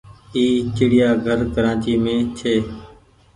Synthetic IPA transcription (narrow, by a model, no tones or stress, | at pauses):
iːt͡ʃɪɽɪjaːɡʱəɾkəɾãːt͡ʃiːmẽːt͡ʃʰeː